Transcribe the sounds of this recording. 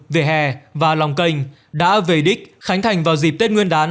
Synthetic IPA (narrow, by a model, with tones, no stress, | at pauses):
ve˨˩ɦɛ˨˩vaː˨˩lɔ˨˩wŋ͡mkə˧jŋ̟ | ɗa̰ː˧˥ve˧˩ɗï˦˥k̟̚xa˨˦jŋ̟t̪ʰa˨˩jŋ̟vaː˨˩wzi˨˩p̪̚e˦˥t̚ŋwi˧ənɗaː˨˦n